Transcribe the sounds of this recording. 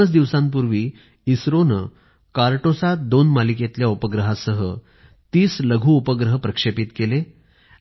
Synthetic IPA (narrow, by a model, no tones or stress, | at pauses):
ət͡sd̪iʋsãmp̬uɾʋiː | isɾonə | kaɾʈosat̪̚d̪onmaliket̪ljaupəɡɾəɦasəɦə | t̪iːsləɡʱuːupəɡɾəɦpɾəkʂepit̪kele